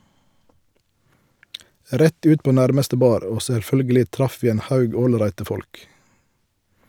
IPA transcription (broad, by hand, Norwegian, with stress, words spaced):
ˈɾɛt ˈʉːt ˈpoː ˈnæʁməstə ˈbɑːɾ ˈoː sɛlˈfœlɡəlɪ ˈtɾɑf ˈʋiː ˈeːn ˈhɑʉɡ ˈoːlˌɾæɪtə ˈfɔlk